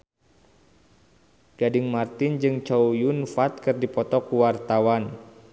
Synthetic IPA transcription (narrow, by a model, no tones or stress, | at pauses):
ɡ̥adɪŋmart̪ɪnd͡ʒɨŋt͡ʃaujunfat̪̚kɨrdipɔt̪ɔkuwart̪awan